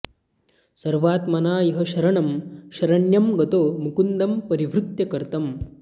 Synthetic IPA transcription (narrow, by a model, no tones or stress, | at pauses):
sɐɾʋaːt̪mɐnaːjɐɦɐʃɐɾɐɳɐmʃɐɾɐɳjɐmɡɐt̪oːmukund̪ɐmpɐɾiʋɾut̪jɐkɐɾt̪ɐm